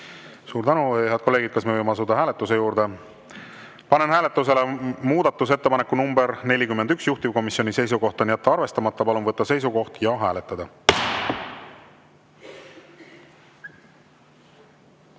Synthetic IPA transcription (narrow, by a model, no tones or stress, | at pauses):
suːɾt̪ænuheɑd̪ko̞lːe̞ːɡid̪̚kɑsmevɤjmeɑsud̪ɑɦæːlet̪ːˑuse̞juːɾd̪̥e | pɑne̞nɦæːle̞t̪ːˑus̬e̞lemuːd̪̥ɑt̪ːˑus̬e̞t̪ːe̞pɑnekːˑunumbeɾne̞lʲikymːend̪yksjuht̪ivko̞misjo̞nise̞js̬uɡo̞ht̪ɑnjæt̪ːɑɑrve̞st̪ɑmɑt̪ˑːɑpɑlunvɤt̪ːɑse̞js̬uko̞ht̪jɑɦæːlet̪ːˑɑd̪̥ɑ